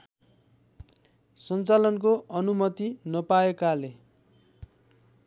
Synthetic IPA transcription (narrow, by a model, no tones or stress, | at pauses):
sʌnt͡salʌnkoʔʌnumʌt̪inʌpaekale